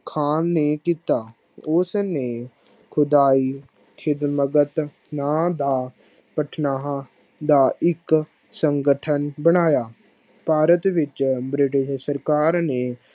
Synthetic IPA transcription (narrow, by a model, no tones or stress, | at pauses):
kʰaːnːeːkiːt̪aː | ʊsneː | kʰʊd̪aːiː | kʰɪd̪məɡət̪ | nãːd̪aː | pəʈʰnaː | d̪aːʔɪk | səŋɡəʈʰənbəɽ̃aːjaː | paːɾət̪ʋɪt͡ʃbɾɪʈɪʃsəɾkaːɾneː